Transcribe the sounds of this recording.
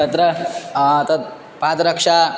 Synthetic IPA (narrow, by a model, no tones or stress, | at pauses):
ɐt̪ɾɐ | t̪ɐ | pat̪ɾəkʂa